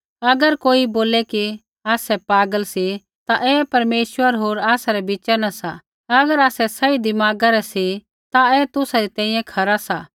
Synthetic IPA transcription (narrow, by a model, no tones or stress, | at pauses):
ɐɡəɾkoːiboːlɛki | aːsɛpaːɡəlsi | t̪aʔɛːpɐɾmeːʃwəɾɦoːɾaːsaɾɛbɪt͡ʃɛnɐsa | ɐɡəɾaːsɛsɐid̪ɪmaːɡãɾɛsi | t̪aɛːt̪ʊsaɾit̪ɛ̃ːĩjɛ̃kʰɐɾasa